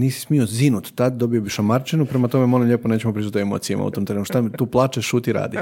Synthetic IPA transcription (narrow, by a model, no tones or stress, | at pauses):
niːsi̥smiozinut̪t̪ːad̪d̪o̞biobiʃamaɾt͡ʃenupɾemat̪o̞memo̞limʎʲeponeːt͡ɕemopɾizut̪oemo̰ːt̪sijama̰ṵt̪omt̪eenuʃt̪amit̪uːplˠaːt͡ʃeʃuːt̪iɾa̰ːd̪i